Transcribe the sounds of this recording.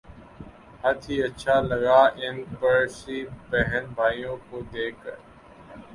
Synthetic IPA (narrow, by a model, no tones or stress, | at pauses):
hət̪ʰiːəʃʰaːləɡaːʔɪnpəɾsiːbɛɦənbʱaːijõːkoːd̪eːkʰ